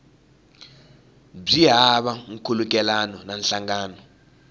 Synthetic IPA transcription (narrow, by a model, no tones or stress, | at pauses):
b͡ʐiɦaɓaŋ̩kʰuluk̬ʼɛlanɔnanɬaŋaːnɔ